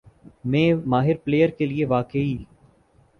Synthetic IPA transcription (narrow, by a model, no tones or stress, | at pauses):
mɛ̃ːmaːɦɪɾpleːjəɾkelieʋaːkeiː